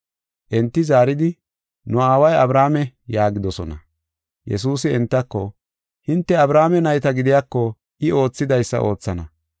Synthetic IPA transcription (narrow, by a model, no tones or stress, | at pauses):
ʔɛnt̪ːɪzaːɾɪd̪ɪ | nʊaːwɐjɐbɾaːmɛjaːɡɪd̪ɔsɔnɐ | jɛ̰s̬uːsɪɛnt̪ːɐkːɔ | hɪnt̪ːɛɐbɾaːmɛnɐjt̪ɐɡɪd̪ɪjaːkːɔ | ʔɪo̞ːt͡sːɪd̪ɐjsːɐ̰ʔo̞ːt͡sːɐnɐ